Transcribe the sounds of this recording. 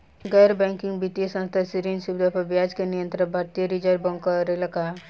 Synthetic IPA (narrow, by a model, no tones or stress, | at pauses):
ɡɐɾbɛ̃ŋkɪŋɡbit̪ijsə̃nst̪ʰasiɾĩnsubd̪ʱapɐbjad͡ʒkenijə̃nt̪ɾəbʱaɾt̪ijəɾid͡ʒəɾbɔ̃ŋkəɾelɐka